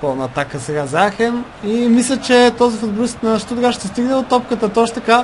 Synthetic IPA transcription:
pɔlˠnəːt̪akəsɛɡazaxɛm | imislʲət͡ʃɛt̪ɔzifʊd̪̚bolist̪nɐʃt̪ɔt̪oɡaʃt̪ɛst̪iɡnɛd̪ot̪ɔp̚kət̪ət̪ɔʃt̪ɐka

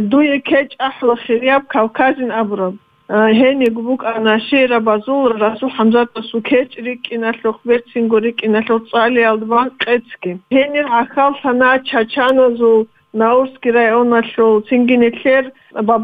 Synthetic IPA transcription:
d̪ujɛkʰɛt͡ʃʼaħlaχiɾijab̚kʰawkʰazinabuɾab̚ | ɦɛniɡbukʼanaʃɛɾabazulɾasuħamzat̪ʼasukʰɛt͡ʃʼrikʼːinaɬɔχʰbɛɾt͡sʰiŋɡɔɾikʼinaɬɔt͡sʼalijald̪banqʼɛt͡sʰɡiɦɛniɾʕaxalɬanaːt͡ʃʰat͡ʃʰanazul | nauɾsɡiɾajɔnaɬɔlt͡sʰiŋɡinɛɬɛr | bab

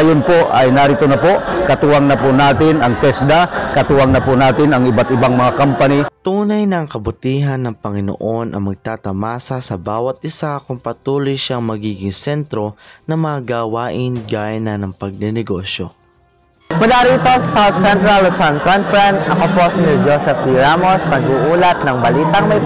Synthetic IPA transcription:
ajonpo̞ʔɐjnaɾɪt̪onɐpo̞kɐt̪uːɐŋnɐponaːt̪ɪnɐŋt̪ɛsd̪akɐt̪uɐŋnɐpʊnaːt̪ɪnɐŋɪbat̪ɪbaŋmɐŋakampanit̪uːnɐjnɐŋkɐbʊt̪iːɦɐnːɐŋpɐŋɪno̰ʔo̞nʔɐ̰ŋmɐɡ̚t̪aːt̪ɐmaːsɐsɐbaːwɐt̪̚ʔɪsakʊŋpɐt̪uːlojʃaŋmɐɡiːɡɪŋsɛnt̪ɾo̞nɐmɐaɡawaːʔɪnɡaːjɐnːɐnɐŋpɐɡ̚nɛnɛɡo̞ʃjo | mʊlaːɾiːt̪o̞sɐsawt̪sɛnt̪ɾɐlsankonfɛɾɛnsʔɐkoposɪnɪld͡ʒosɛp̚d̪iɹamosnɐnɡuːʔuːlɐt̪̚nɐŋbɐliːt̪ɐŋmɐj

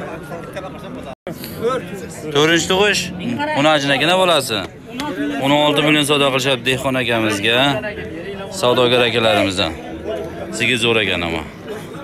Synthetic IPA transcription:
t̪ʰoɾɪnt͡ʃʰɪ̥t̪ʰʊʁɪʃʊnɪad͡ʒɪnaɡʲɪnabolasɪ | ononɒlˠt̪ɪmɪljosɒd̪aqʰɨlˠɪʃad̪ehqɒnakʲamɪzɡʲa | sawd̪ɒɡʲaɾakʲalaɾɪmɪzd̪a̰n | sɪɡʲɪzoɾakʲa̰nɪ̰mɒ̰

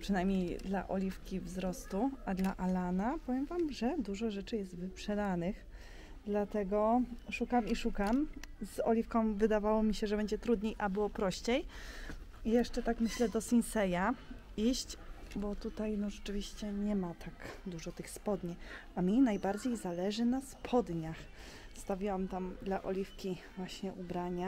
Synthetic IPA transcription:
pʂɨnajmʲɲejd̪la̰ʔɔlʲifkʲivzɾɔst̪uad̪laʔalanapɔvʲjɛmvamʐɛd̪uʐɔʐɛt͡ʂɘjɛst̪vɘpʂɛd̪anɘx | d̪lat̪ɛɡɔʂukamiʂukamzɔlʲifkɔ̃w̃vɘd̪avawɔmʲiɕɛʐɛbɛɲd͡ʑɛt̪ɾud̪ɲejʔabɘwɔpɾɔɕt͡ɕej | ijɛʂt͡ʂɛt̪akmɘɕlɛd̪ɔsʲinsɛja | iɕt͡ɕ | bɔt̪ut̪ajnɔʐɛt͡ʂɘvʲiɕt͡ɕɛɲɛmat̪ʰaɡd̪uʐɔt̪ɘxspɔd̪ɲiamʲinajbaɾd͡ʑejzalɛʐɘnaspʰɔd̪ɲax | st̪avʲiwamt̪amd̪laʔɔ̰lʲifkʲivwaɕɲɛʔubɾaɲa

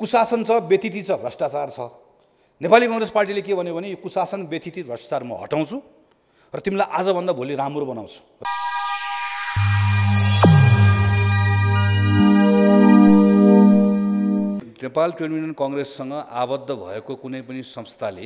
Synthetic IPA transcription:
kusasʌnt͡sʰʌbet̪it̪it͡sʰʌrʌsʈat͡sart͡sʰʌ | nepalikʌŋresparʈ̬ilekebʱʌnjobʱʌnejokusasʌnbet̪ʰit̪iɾʱʌsʈḁt͡sarmʌ̰ɦʌ̰ʈaw̃t͡sʰũ | rʌt̪imilajʔad͡zʌbʱʌnd̪abʱoliɾamrobʌnaw̃t͡sʰu̥ | nepalʈrenminʌnkʌŋresːʌŋɡʌʔabʌd̪ʱːʌbʱʌ̰ekokunʌjpʌnisʌ̃mst̪ʰale

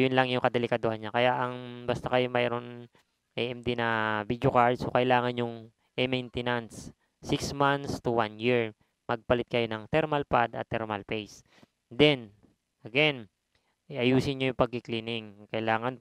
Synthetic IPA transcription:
jʊnlɐŋjʊŋkɐd̪ɛlɪkɐd̪ohɐnɲakɐjaʔɐŋbast̪akɐjomɛːɾo̞n | ʔɛʔɛmd̪inɐvid̪jokaɹd̪sokɐʔɪlaːŋɐnjʊŋ | ʔɛmɛjnt̪ɛnant̪sː | iksmant̪st̪uwanjiɹ | mɐɡ̚pɐlɪt̪̚kɐjo̞nɐŋt̪ɛɾmɐlpad̪ɐ̰t̪ːɛɹmɐ̰lpejs | d̪ɛn | ʔɐɡɛn | ʔiʔɐjuːsɪnɲojʊŋpɐɡ̚kɪkliːnɪŋkɐʔlaːŋɐn

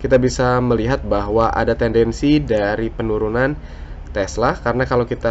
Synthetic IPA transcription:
kit̪abisaməliɦat̪̚baɦwaʔa̰dat̪ɛndɛnsidaɾipənuɾunan | t̪ɛslakaɾənakalawkit̪a

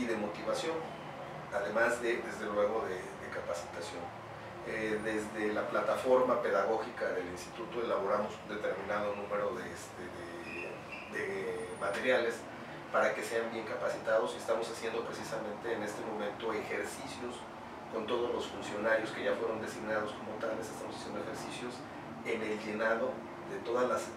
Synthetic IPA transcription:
iðe̞mo̞t̪iβasjo̞n | aðe̞mazðeðe̞zðe̞lwe̞ɣo̞ðe | ðe̞kapasi̥t̪asjo̞n | eðe̞zðelaplat̪afo̞ɾmape̞ðaɣ̞o̞xikaðe̞linst̪i̥t̪ut̪o̞e̞laβ̞o̞ɾamo̞sund̪e̞t̪e̞ɾmĩnaðonũme̞ɾo̞ðest̪eðe | d̪emat̪e̞ɾjale̞s | paɾake̞se̞ambje̞ŋkapasit̪að̞o̞siest̪amo̞sasje̞nd̪opɾesisamẽ̞nt̪e̞ːne̞st̪e̞mõ̞mẽnt̪o̞exe̞ɾsisjo̞s | ko̞nt̪o̞ð̞o̞zlo̞sfunsjo̞naɾjo̞skeʝafweɾo̞nd̪e̞siɡnað̞o̞sko̞mo̞t̪ale̞sest̪amosasjendoexe̞ɾsisjo̞s | e̞ne̞lʝe̞naðo | ðe̞t̪o̞ðazlas

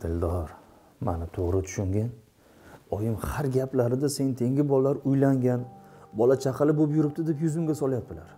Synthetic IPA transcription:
t̪ʰɪld̪ɒɾ | ma̰nɪt̪ʰoʁɾɪt̪ʰʊ̥ʃʊŋɡʲɪn | ɒjɪmhaɾɡʲapʰlaɾɪd̪ase̞nɪt̪ʰe̞ŋɡʲɪbɒlːaɾʊjlaŋɡʲanbɒlat͡ʃʰaqʰɨlɪbopjʊɾɪp̚t̪ɪd̪e̞pjʊzɪmɡʲasɒlˠjap̚d̪ɪlaɾ

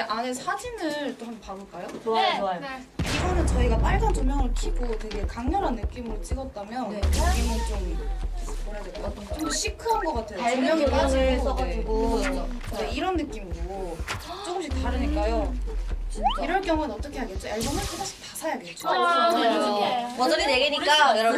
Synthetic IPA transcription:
eʔanesʰad͡ʑinɯɾt͈oɦanpaɡɯɭk͈ajo | iɡʌnɯnt͡ɕʌiɡap͈aɭd͡ʑʰant͡ɕomjʌŋɯɭkʰiɡotweɡe̞kaŋɲʌɾɦanːɯk͈imɯɾot͡ɕ͈iɡʌt̚t͈amjʌniɡʌnt͡ɕom | moɾjadeɡojo | t͡ɕ͈omdoɕʰikʰɯanɡʌk͈atʰejoaomjʌŋk͈ad͡ʑiiɡo | deiɾʌnːɯk͈imɡoɡot͡ɕ͈oɡɯmɕʰik̚t͈aɾɯɲik͈ajo | iɾʌɭk͈jʌŋuenʌt͈ʌkʰe̞ɦaɡet̚t͡ɕ͈oaɭbʌmɯkʰasaɕ͈ʰi̥tasʰajaɡett͡ɕ͈o | ʌʌɾineɡeɲik͈ajɾ

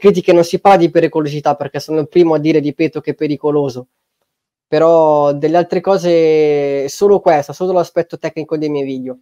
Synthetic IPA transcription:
kɾiːt̪ikenonsipaɾlad̪ipeɾikolozit̪apːerkɛsonolpɾiːmoad̪ːiːɾed̪ipeːt̪ok̟epːeɾikoloːzo | peɾɔd̪elːealt̪ɾekɔːze | soːlokwɛst̪osoːlolaspɛt̪ːot̪ɛkːnikod̪ejmɛjviːd̪jo

